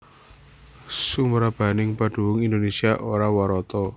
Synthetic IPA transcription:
suməɾab̥a̤nɪŋpaɖ̥ṳwʊŋindonesiaʔoɾawaɾɔt̪ɔ

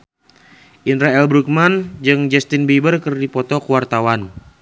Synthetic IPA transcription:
ʔinɾaɛlbɾuk̚mand͡ʒɨŋd͡ʒɛst̪inbibərkərdipɔt̪ɔkuwart̪awan

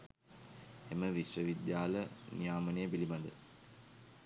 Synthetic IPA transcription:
eməʋiɕʋəʋid̪jaːlənijaːmɐnejəpilimad̪ə̰l

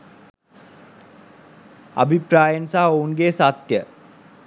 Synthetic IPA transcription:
a̰bʱipɾaːjənsaɦounɡeːsat̪jə

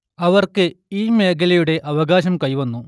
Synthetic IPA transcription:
ɐʋɐrkɨiːme̞ːkɐlɐjuɽe̞ʔɐʋɐɡaːɕɐmkɐjʋɐnːu

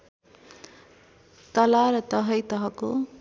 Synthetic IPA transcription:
t̪ʌlaɾʌt̪ʌɦʌjt̪ʌɦʌko

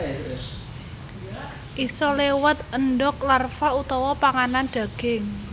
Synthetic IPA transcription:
ʔisɔlewət̪ənɖɔk̚larfaut̪ɔwɔpaŋananɖ̪̥ä̤ɡ̥ɪŋ

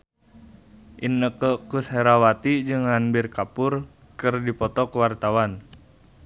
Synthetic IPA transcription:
ʔinːəkəkusheɾawat̪id͡ʒɨŋhanbɪrkapʊr | kɨrdipɔt̪ɔkəwart̪awan

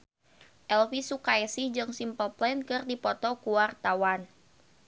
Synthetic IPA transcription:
ʔɛlfisukaɛsihd͡ʒɨŋsimpəlplɛnkɨrdipɔt̪ɔkuwart̪awan

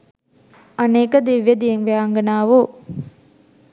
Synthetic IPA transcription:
ɐneːkɐd̪iʋjɐd̪ijeŋʋeaːŋɡɐnaːʋoː

